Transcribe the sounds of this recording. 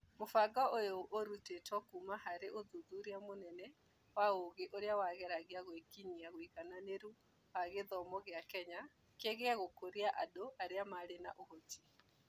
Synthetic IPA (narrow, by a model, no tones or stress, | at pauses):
mofaɡɔʔojoʔoɾutetwɔkumahaɾeʔoðuðuɾiamonɛnɛ | waoɣeʔoɾeawaɣɛɾaɣiaɣwekiniaɣoiɣananeɾu | waɣeðɔmɔɣeakɛɲa | keɣeaɣokoɾiaʔadoʔaɾeamaɾena̰ʔohotʰi̥